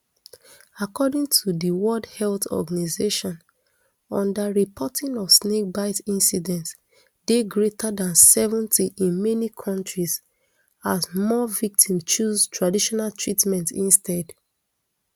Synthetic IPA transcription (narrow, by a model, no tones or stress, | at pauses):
akɔdĩŋtʰudiwɔldhɛltɔ̰ɡanizeʃɔ̃n | ɔ̃ndaɹipʰɔtʰĩŋɔv̥snek̚baɪtĩnsidɛ̃nts | deɡɹetadãnsɛvɔ̃ntʰiʔĩnmɛnikʰɔ̃ntɹiz | azmɔvik̚tʰĩmt͡ʃuztʰɹadiʃɔnaltʰɹitmɛ̃ntĩnstɛd